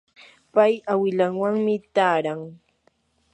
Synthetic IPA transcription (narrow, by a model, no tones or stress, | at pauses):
pajawɪlaŋwaŋmɪt̪aːɾaŋ